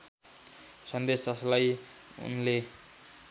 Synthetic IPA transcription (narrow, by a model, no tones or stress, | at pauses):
sʌnd̪esd͡zʌslaj | ṵnle